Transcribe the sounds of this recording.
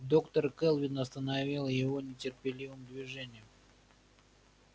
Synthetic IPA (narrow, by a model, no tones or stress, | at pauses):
d̪o̞kt̪ərkɛlˠvʲɪnɐst̪ənavʲilˠjɪvo̞nʲɪtʲɪrpʲɪlʲivɨmd̪vʲɪʐɛnʲɪjʊ